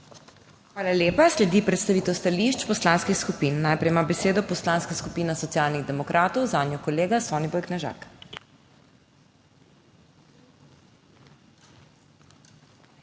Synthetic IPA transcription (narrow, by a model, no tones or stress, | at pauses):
xʋaːlalʲeːpaslɛd̪ipɾɛt̪st̪aʋiːt̪ɛwst̪aliʃt͡ʃpɔslaːnskixskupinːajpɾɛjmabɛseːd̪ɔpɔslanskaskupiːnasɔt̪sijaːlniɣd̪ɛmɔkɾʔaːt̪ɔwzaːnnjɔkɔleːɡasɔːnibɔjknɛʒa̰ːk